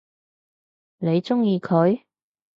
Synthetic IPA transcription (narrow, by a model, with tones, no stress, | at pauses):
ne˨˧jt͡sʊ˥ŋjiː˧kʰɵ˨˧ɥ